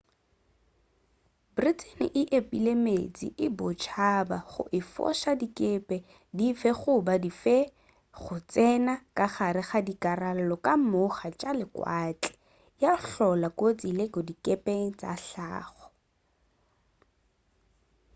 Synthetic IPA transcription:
britʰʼenɪ̰ʔɪʔepʼilemḛt͡sʼḭʔɪbʊt͡ʃʰabaχʊ̰ʔɪfɔ̰ʃadikʼepʼɛ | difɛχʊbadifɛ | χʊt͡sɛnakʼaχaɾɪχadikʼaral̩lɔkʼamʊχat͡ʃʼalɪkwat͡ɬʼɪ̥ | jaɬɔlakʼot͡sʼilekɔdikʼepʼeŋ̩t͡sʼa̰ɬa̰ːχɔ̥

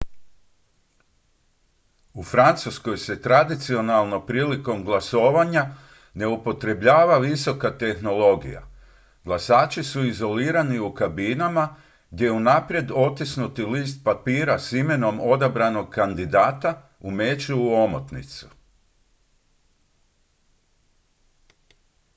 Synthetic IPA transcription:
ufɾant̪susko̞jse̞t̪ɾad̪it̪sio̞nalˠno̞pɾiːliko̞mɡlˠasoːʋaɲa | ne̞upo̞t̪ɾe̞bʎaːʋaʋiso̞kat̪e̞xno̞lˠo̞ɡḭja̰ | ɡlˠasaːt͡ʃisuizo̞liːɾaniukabinama | ɡ̚d̪je̞unapɾje̞d̪o̞t̪isnut̪iliːst̪̚papiːɾasime̞no̞mo̞d̪abɾano̞ɡ̚kand̪id̪aːt̪a | ume̞t͡ʃuuo̞mo̰t̪nḭt̪su̥

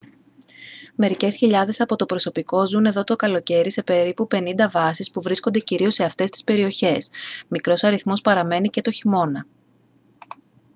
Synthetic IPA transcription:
me̞ɾice̞sçiʎɐðe̞sɐpo̞t̪o̞pɾo̞so̞piko̞zune̞ðo̞t̪o̞kɐlo̞ce̞ɾise̞pe̞ɾipupe̞nind̪ɐvɐsispuvɾiskond̪e̞ciɾio̞se̞ɐft̪e̞st̪i̥spe̞ɾio̞çe̞smikɾo̞sɐɾiθmo̞spɐɾɐme̞nice̞t̪o̞çimo̞nɐ

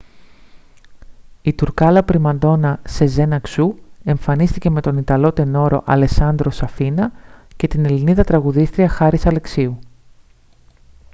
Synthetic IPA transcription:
it̪uɾkɐlɐpɾimɐnd̪o̞nɐse̞ze̞nɐksue̞ɱfɐnist̪ice̞me̞t̪o̞nit̪ɐlo̞t̪e̞no̞ɾo̞̰ʔɐle̞sɐnd̪ɾo̞sɐfinɐce̞t̪ine̞liniðɐt̪ɾɐɣuðist̪ɾiɐxɐɾisɐle̞ksiu

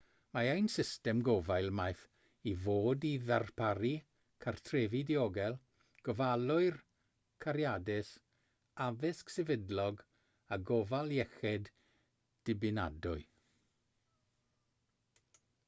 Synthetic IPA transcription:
maajnsɪstɛmɡɔvajlˠmajθ | ivoːdiðarpʰaɾi | kʰartʰrɛːvidiɔɡɛlˠ | ɡ̥əvalˠʊɨr | kʰaɾjadɪs | avɪsksɛvɪdlɔɡ | aɡɔvalˠjɛxɛd | d̥ɪbɪna̰dʊɨ

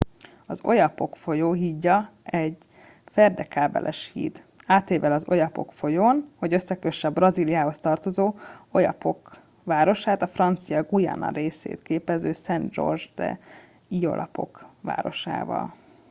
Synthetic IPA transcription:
ɒzo̞jɒpo̞kfo̞joːɦiɟːɒɛɟ | fɛrd̪ɛkaːbɛ̰lʔɛʃhḭːt̪ | aːt̪eːvɛlɒzo̞jɒpo̞kfo̞joːnho̞ɟø̞sːɛkøʃɛbrɒziːlijaːho̞st̪ɒrt̪o̞zoːo̞jɒ̰po̞k | ʋaːɾo̞ʃaːt̪ɒfrɒnt̪sijɒɡujɒ̰nɒ̰ɾeːsḛːt̪keːpɛzøːsɛnd̪d͡ʒo̞̰rʒd̪ɛ̰ | ijo̞̰lʔɒ̰po̞̰kʋa̰ːɾo̞ʃa̰ːvɒ̰l

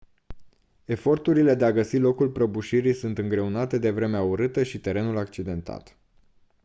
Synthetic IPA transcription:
e̞fo̞rt̪uɾile̞d̪eaɡəsilo̞kulpɾəbuʃiɾisunt̪ɨŋɡɾe̞unat̪e̞d̪e̞vɾe̞meauɾɨt̪əʃit̪e̞ɾe̞nulak̚t͡ʃid̪e̞nt̪ʰa̰t̪

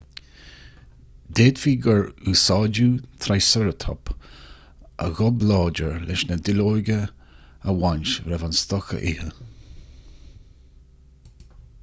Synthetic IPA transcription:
d̪eːd̪fiːɡəɹusɑːd͡ʒuːt̪ʰɾajsəɾət̪ʰɔ̰p | ʔə̰ɣɔblɑːd͡ʒəɹlɪʃnəd̪ɪloːjɡə | əwanʃɾɛvanst̪ɔxə̰ʔɪhə

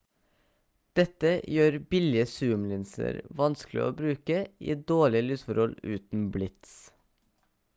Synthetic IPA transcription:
d̪̥ɛt̪əjøːɾbɪlɪəsʉːmlɪnsə̰ɾʋɑnsklɪ̰ʔo̰ːbɾʉːkəʔḭːd̪oːɭɪəlyːsfɔɾhɔlʉːt̪n̩blɪt̪s

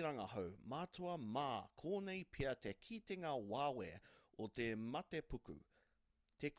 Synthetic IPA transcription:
ɾɐŋɐhowmaːt͡suɐmaːkʰoːnejpʰiɐt̪ekʰit̪eŋawaːweot̪emɐt̪epukʉ̰ | t̪ek

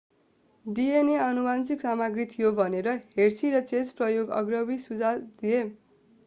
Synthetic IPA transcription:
ɖieneʌnubant͡siksamaɡrit̪ʰijobʱʌneɾʌɦersʰiɾʌt͡set͡sprʌjoɡʌ̰ɡrʌbisud͡zad̪ije

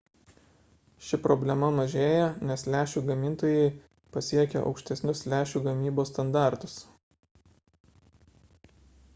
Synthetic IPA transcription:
ʃʲɪpɾɔbʲlʲɛmɐmɐʒʲeːjɛnʲɛslʲæːʃʲuːɡɐmʲɪnt̪oːjɛɪ | pɐsʲiɛkʲɛ̰ʔɒ̰ʊkʲʃʲt̪ʲɛsʲnʲʊslʲæːʃʲuːɡɐmʲiːboːst̪ɐnd̪ɑˑɾt̪ʊs

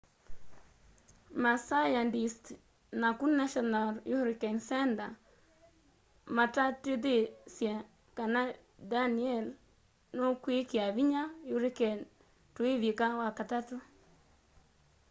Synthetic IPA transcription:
masajandist | nakunːaʃɔnaljuɾikɛnsɛnda | matatid̪esja | kana | daniɛl | nokwikiaβiɲajuɾikɛn | tueβikawakatatu

